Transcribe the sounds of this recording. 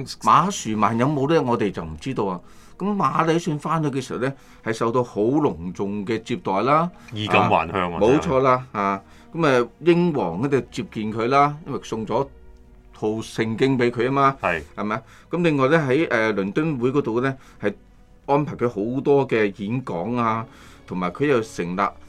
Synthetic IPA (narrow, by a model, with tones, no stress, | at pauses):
maː˨˧˥syː˨˩maː˨˩njɐ˨˧wmo˨˧wlɛː˥ŋɔː˨˧t̪e˨jt͡sɐ˨wm̩˨˩t͡siː˥t̪o˧waː˨˧ | kɐ˨˥mmaː˨˥le˨˥sɵ˧nfaː˥nhɵ˨˧kɛː˧si˨hɐ˨wlɛ˥ | hɐ˨jsɐ˨wt̪o˧who˨˥wlʊ˨˩ŋt͡sʊ˨ŋkɛː˧t͡siː˧p̚t̪ɔː˨jlaː˥i˧kɐː˨wa̰ː˨˩nhœː˧ŋmo˨˧wt͡ʃʰɔː˧laː˧haː˨ | kɐ˨˥mɛː˨˧jɪ˥ŋwɔː˨˩ŋɛ˥˩t͡sɐ˨wt͡siː˧p̚kiː˨˧nkʰɵ˨˧ɥlaː˥jɐ˥nwɐ˨˩sʊ˧ŋt͡sɔː˨˥ | t̪ʰo˧wsɪ˧ŋkɪ˥ŋpe˨˥jkʰɵ˨˧ja˥maː˧jhɐ˨jmaː˨˧˥j | kɐ˨˥mlɪ˨ŋːɔː˧jlɛ˥ɦɐ˨˥jʔɛː˨lɵ˨˩nt̪ɵ˥nwuː˨˥jkɔ˨˥t̪o˨wlɛː˥ | hɐ˨j | ʔɔː˥npʰaː˨˩jkʰjho˨˥wt̪ɔː˥kɛː˧jiː˨˥nkɔː˨˥ŋaː˧ | t̪ʰʊ˨˩ŋmaː˨˩jkʰɵ˨˧ɥjɐ˨˩wsɪ˨˩ŋla̰ː˧p̚